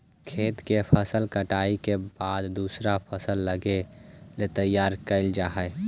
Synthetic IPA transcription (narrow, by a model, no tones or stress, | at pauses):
kʰeːt̪kepʰəsəlkəʈaːikebaːd̪d̪uːsɾapʰəsəlːəɡelet̪əjːaːɾkəɪld͡ʒaːɦə